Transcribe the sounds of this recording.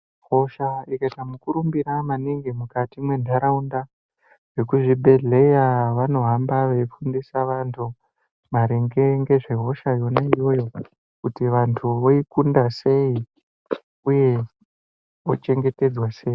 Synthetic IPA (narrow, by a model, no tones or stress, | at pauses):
ɦo̞ʃaikatamukuɾumbiɾamaniŋɡemukatimwe̞ndʱaɾaunda | ʐe̞k̬uʐibʱe̞ɮe̞jaʋano̞ɦambaʋe̞fundisaʋantʰu | maɾeŋɡe̞ŋɡe̞ʐe̞ɦo̞ʃajo̞naijo̞jo̞ | kutiʋantʰuʋoikundase̞i | uje̞ | ot͡ʃe̞ŋɡe̞te̞d͡zwase̞ːi